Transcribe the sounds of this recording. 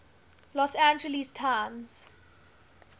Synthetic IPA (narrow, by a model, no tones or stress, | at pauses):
lɔsãnd͡ʒəlistʰaːmz̥